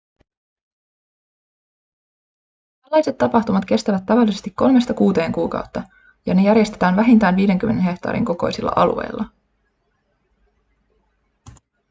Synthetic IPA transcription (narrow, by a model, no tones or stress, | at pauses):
t̪ælːɑjse̞t̪ːɑpɑxt̪umɑt̪k̟e̞st̪æʋæt̪ːɑʋɑlːisest̪ikːo̞lme̞st̪ɑkuːt̪e̞ːŋkuːkɑ̰uwt̪ːɑ | jɑne̞jæɾjest̪e̞t̪æːnʋæɦint̪æːnʋiːde̞ŋkymːe̞nenɦe̞ht̪ˑɑ̰ːɾʔḭŋko̞ko̞̰jsilːɑ̰ʔɑlṵe̞̰jlːʔɑ